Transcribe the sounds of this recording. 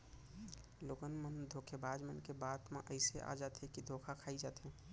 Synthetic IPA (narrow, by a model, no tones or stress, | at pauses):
loːɡənmənd̪ʱokʰebad͡ʒmənkebaːt̪mḛ̃ʔəɪseʔa̰d͡ʒat̪ɦẽkid̪ʱokʰakʰaːid͡ʒaːt̪ɦɛ̃